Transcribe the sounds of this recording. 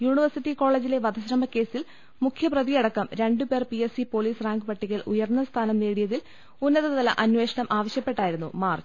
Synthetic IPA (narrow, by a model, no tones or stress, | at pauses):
juːɳiʋɐrsiʈːiko̞ːɭe̞ːd͡ʑile̞ʋɐd̪ɐɕɾɐmɐkːe̞ːsil | mukʰjɐprɐðijɐɽɐkːɐmɾe̞ɳɖupe̞ːrpiesipo̞ːliːsraːŋɡɨpɐʈːikːɐlʔṵjɐrnːɐst̪ʰaːnɐmneːɽijɐðil | unːɐðɐððɐlɐ̰ʔɐnʋe̞ːʂɐɳɐmʔaːʋɐɕjɐpːe̞ʈːaːjiɾunːṵmaːrt͡ɕ